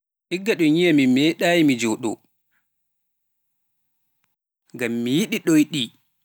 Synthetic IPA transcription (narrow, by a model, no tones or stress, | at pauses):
ʔiɡːaɗɔɲijamimɛɗaːjimid͡ʒɔɗɔ̰ | ŋɡamːijiɗiɗɔjɗi